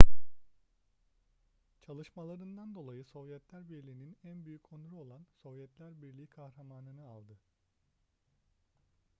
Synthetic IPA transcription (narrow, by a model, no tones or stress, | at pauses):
t͡ʃʰalˠɯʃmalˠaɾɯnd̪and̪o̞lˠajɯso̞vjɛt̪lʲæɾbiɾlʲiːninænbyjycʰo̞nuɾuo̞lˠanso̞vjɛt̪lʲæɾbiɾlʲiikʰahɾamaːnɯnɯalˠd̪ɯ